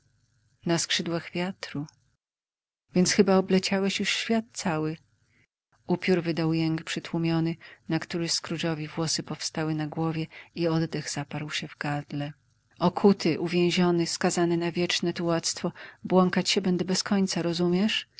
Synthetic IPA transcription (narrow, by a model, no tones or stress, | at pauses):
naskʂɘd̪waɣvʲjat̪ɾu | vʲjɛnt̪sxɘbaɔblɛt͡ɕawɛɕjuʂɕfʲjat̪̚t̪sawɘ | upʲjuɾvɘd̪awjɛŋkpʂɘt̪wumʲjɔnɘnakt̪uɾɘskɾuʐɔvʲivwɔsɘpɔfst̪awɘnaɡwɔvʲjɛiɔd̪d̪ɛɣz̥apaɾwɕɛvɡad̪lɛ | ɔkʰut̪ɘʔuvʲjɛ̃w̃ʑɔnɘskazanɛnavʲjɛt͡ʂnɛt̪uwat̪st̪fɔbwɔŋkat͡ɕɕɛbɛnd̪ɛbɛskʰɔɲt̪saɾɔzumʲjɛʂ